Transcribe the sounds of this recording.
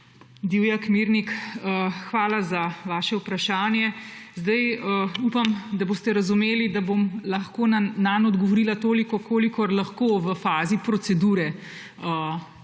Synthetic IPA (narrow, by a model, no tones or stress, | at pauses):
d̪iwjakmiɾnikəxʋaːlazaʋaːʃɛwpɾaʃaːnjɛzd̪ajəupamd̪aboːst̪ɛɾɐzumeːlid̪abomlɐxkoːnananɔd̪ɡɔʋɔɾiːlat̪oːlikɔkʰoːlikɔɾlaxkoːʋəfaːzipɾɔsɛd̪uːɾɛ | ə